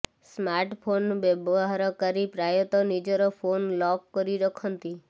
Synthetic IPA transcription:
smaɾʈpʰonbebɔɦaɾɔkəɾipɾajot̪ɔnid͡ʒɔɾɔpʰonlɔkːəɾiɾəkʰɔnt̪i

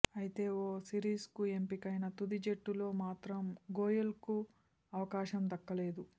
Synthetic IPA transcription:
ɐjit̪e̞ːoːsiːɾiːskue̞mpikɐjnɐt̪ud̪id͡ʒe̞ʈːulo̞ːmaːt̪ɾɐmɡoːjɐlku | ɐʋɐkaːʃɐmd̪ɐkːɐle̞ːd̪u

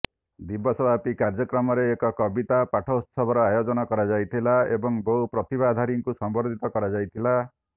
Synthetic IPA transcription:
d̪ibɔsɔbʱapikaɾd͡ʒɔkɾɔmɔɾeːkɔkɔbit̪apaʈʰɔut̪sɔbʱɔɾɔajod͡ʒɔnɔkɔɾad͡ʒajt̪ʰilaebɔŋbɔupɾɔt̪ibad̪ʱaɾiŋkusɔmbɔɾd̪ʱit̪ɔkɔɾad͡ʒajt̪ʰila

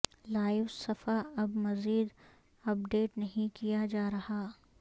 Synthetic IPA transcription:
laːɪʋsɐfaɐbmɐziːd̪ | ɐp̚ɖeːʈnɐɦĩkijad͡ʒaːɾɐhaː

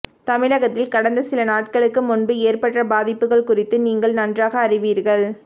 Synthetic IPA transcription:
t̪ɐmɪɻɐɣɐt̪ːɪlkɐɽɐnd̪ɐsɪlɐnaːʈ̚kɐɭɯkːɯmʊnbɯeːrpɐʈrɐbaːðɪpːɯɣɐɭkʊrɪt̪ːɯniːŋɡɐɭnɐndraːɣɐːrɪʋiːɾɣɐɭ

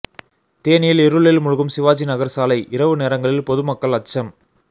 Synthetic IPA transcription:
t̪eːnɪjɪlɛɾɯɭɪlmʊɻɯɣɯmsɪʋaːt͡ʃinɐɣɐɾsaːlɐɪʔɪɾɐʋɯneːɾɐŋɡɐɭɪlpɔðɯmɐkːɐɭɐt͡ʃːɐm

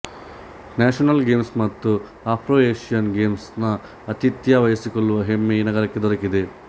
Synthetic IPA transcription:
naːʃɐnɐlɡeːmsmɐt̪ːu | aːpʰɾoːeːʂijɐnɡe̞ːmsnɐ | ɐt̪it̪jaːʋɐjɐsikoɭːuʋɐɦemːejinɐɡɐɾɐkːe̞d̪ɔɾɐkid̪e

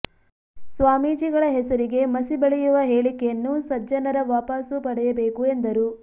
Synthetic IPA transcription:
sʋaːmiːd͡ʒiɡɐɭɐɦɛsɐɾiɡe̞mɐsibɐɭɛjuʋɐɦeːɭikejɐnːusɐd͡ʒɐnɐɾɐʋaːpasupɐɽɛjɐbeːkue̞nd̪ɐɾuː

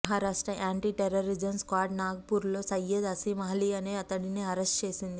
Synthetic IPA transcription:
ɦaːɾaːʂʈɾɐʔaːɳʈiːʈeɾɐɾid͡ʒɐnskaːʈnaːɡɐpuːɾlo̞ːsɐjːɐd̪ɐsimɐɦliɐneːɐt̪ɐɽiniːɐɾesʈt͡ʃe̞ːsind̪i

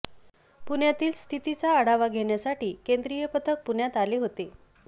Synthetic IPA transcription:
puɳjat̪iːlst̪ʰit̪it͡saəɽaʋaɡʱeɳjasaʈiːkend̪ɾijəpət̪ʰək̚puɳjat̪aleɦot̪e

